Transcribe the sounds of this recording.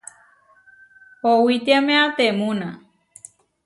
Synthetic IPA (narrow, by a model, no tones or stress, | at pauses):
howit̪iamẽat̪emũnã